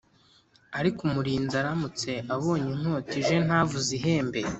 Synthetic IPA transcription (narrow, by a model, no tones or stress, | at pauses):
aɾikumuɾiːnzaɾamut͡se̞ʔaβo̞ːɲiŋ̥o̞ːtiʒe̞n̥haːvuziɦe̞ːmbe